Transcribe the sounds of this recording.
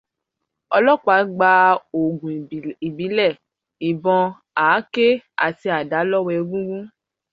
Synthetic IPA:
ɔ˧lɔ˦˨k͡pa˨˦ɡ͡ba˧o˨ɡũ˨i˨bi˨˦lɛ˦˨ | i˨bɔ̃˧ | aː˨˦ke˦a̰˨ti˧a˨da˨˦lɔ˦wɛ˧˦ɡũ˦ɡũ˦

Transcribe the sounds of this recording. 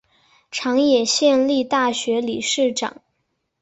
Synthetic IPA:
ʈ͡ʂʰɑ˧˥ŋjɛ˨˩ɕjɛ˥˧nli˥˧t̪a˥˩ɕɥɛ˧˥li˨˩ʂɻ̩˥˩ʈ͡ʂɑ̰˨˩˦ŋ

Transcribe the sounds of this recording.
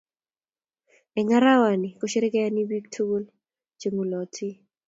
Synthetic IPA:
ɛ˨ŋa˦ɾa˦wa˨ni˨ko˦ʃe˦ɾe˦kɛ˦ja˦ni˦bi˦ktʰu˦ɡu˦l | t͡ʃe˨ŋu˨lɔ˨tʰi˦

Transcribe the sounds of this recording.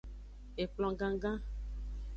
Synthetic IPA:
e˨k͡plɔ̃˨ɡã˦ɡã˦

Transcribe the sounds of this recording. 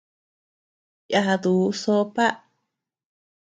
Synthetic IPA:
ja˧ɦa˧ðu˨˦so˦pa˦ʔ

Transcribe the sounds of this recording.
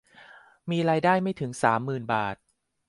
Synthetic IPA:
miː˧ɾaː˧jdaː˥˩jma˥˩jt̪ʰɯ˩˦ŋsaː˩˦mːɯː˨˩nbaː˨˩t̪̚

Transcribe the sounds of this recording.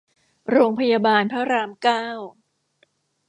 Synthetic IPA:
ɾoː˧ŋpʰa˧jaː˧baː˧npʰa˦˥ɾaː˧mkaː˥˩w

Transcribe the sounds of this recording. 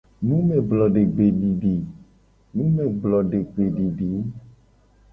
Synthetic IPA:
nũ˦me˨blɔ˨ɖe˨ɡ͡be˨ɖi˨ɖi˨ | nũ˦me˨ɡ͡blɔ˨ɖe˨ɡ͡be˨ɖi˨ɖi˨˦

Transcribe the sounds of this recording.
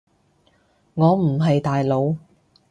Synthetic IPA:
ŋɔː˨˧m̩˨˩ɦɐ˨jt̪aː˨jlo˨˧w

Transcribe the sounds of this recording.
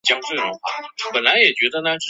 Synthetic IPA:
t͡ɕjɑ˥ŋt͡swe˥˩ɻʊ˧˥ŋxa̰˥˩pə˨˩nla˧˥ɪjɛ˨˩t͡ɕɥɛ˧˥d̪ə˧na˥ʈ͡ʂ̩˥˩

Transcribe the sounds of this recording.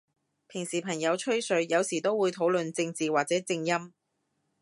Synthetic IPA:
pʰɪ˨˩ŋsiː˨˩pʰɐ˨˩ŋjɐ˨˧wt͡ʃʰɵ˥ɥsɵ˨˧ɥjɐ˨˧wsiː˨˩t̪o˥wuː˨˧jt̪ʰo˨˥wlɵ˨nt͡sɪ˧ŋt͡siː˨waː˨˩t͡sɛː˨˥t͡sɪ˧ŋjɐ˥m

